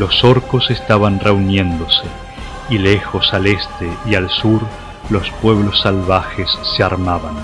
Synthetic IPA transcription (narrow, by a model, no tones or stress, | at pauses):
lo̞so̞ɾkosest̪aβanreunje̞nd̪o̞se | ile̞xo̞sale̞st̪eialsuɾ | lo̞spwe̞β̞losːalβaxesːeaɾmaβan